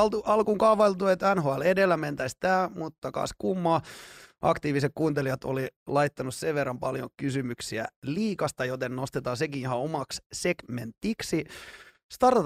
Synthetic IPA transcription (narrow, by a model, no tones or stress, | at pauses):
lt̪uɑlkuŋkɑʋɑilt̪uet̪ænɦoæledelːæment̪æist̪æːmut̪ːɑkɑ̰ːskumːɑːʔɑ̰kt̪iːʋisek̚kuːnt̪elijɑt̪o̰lilɑjt̪ːɑnusseʋʋerːɑmpɑljo̰kysymyksiæ̰liːkɑst̪ɑjot̪ennost̪et̪ɑːsekihɑomɑkssekment̪ːiksi | st̪ɑr